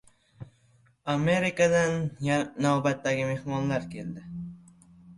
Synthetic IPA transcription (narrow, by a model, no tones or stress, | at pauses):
ameɾɪkad̪anjaːawbat̪ːaɡʲɪmehmɔnlaɾkʲeld̪ɪ